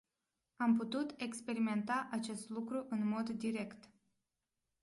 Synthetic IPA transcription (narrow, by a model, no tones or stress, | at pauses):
amput̪ut̪e̞kspe̞ɾime̞nt̪aʔat͡ʃe̞st̪lukɾuʔɨnmo̞d̪ːiɾe̞kt̪